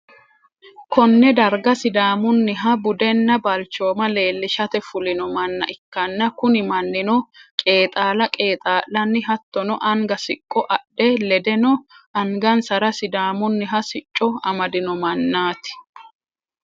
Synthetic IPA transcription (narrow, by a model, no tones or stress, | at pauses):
kɔnːɛd̪ɐɾɡɐsɪd̪aːmʊnːɪɦɐbʊd̪ɛnːɐbɐlt͡ʃːoːmɐle̞ːlːɪʃɐt̪ɛfʊlɪnɔmɐnːɐ̰ʔɪkːɐnːɐkʊnɪmɐnːɪnɔkʼe̞ːt̪ʼaːlɐkʼeːt̪ʼaːlːɐnːɪɦɐt̪ːɔnɔʔɐŋɡɐsɪkʼːɔʔɐɗːɛlɛd̪ɛnɔɐŋɡɐnsɐɾɐsɪd̪aːmʊnːɪɦɐsɪt͡ʃʼːɔɐmɐd̪ɪnɔmɐnːaːt̪ɪ̥